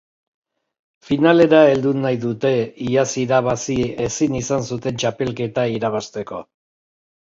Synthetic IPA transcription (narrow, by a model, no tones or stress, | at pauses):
finale̞ɾae̞ld̪unajðut̪e̞iasiɾaβasie̞sinisansut̪e̞nt͡ʃape̞lke̞t̪aiɾaβast̪e̞ko̞̰